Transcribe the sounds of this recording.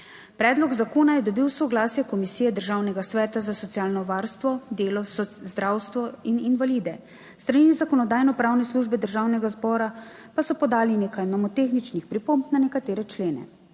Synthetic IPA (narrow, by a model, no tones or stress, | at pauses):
pɾɛːd̪lɔɡzakoːnajɛd̪ɔbiwsɔɡlaːsjɛkɔmisijɛd̪əɾʒaːwnɛɡasʋɛːt̪azasɔt̪siaːlnɔʋaːɾst̪ʋɔd̪eːlɔsɔzd̪ɾawst̪ʋɔininʋalid̪ɛ | st̪ɾaninizakɔnɔd̪aːjnɔpɾaːwnɛsluʒbɛd̪əɾʒaːwnɛɡazbɔːɾa | pasɔpɔd̪aːlineːkajmamɔt̪eːxnit͡ʃnixpɾipompnanɛkat̪eːɾɛt͡ʃleːnɛ̰